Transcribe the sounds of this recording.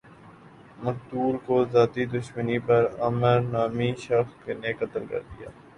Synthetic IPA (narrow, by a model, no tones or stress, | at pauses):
mɐkt̪uːlkozaːt̪id̪ʊʃmənipɐɾɐməɾnaːmiʃɐxknekɐt̪əlkɐ̰ɾd̪ija̰ː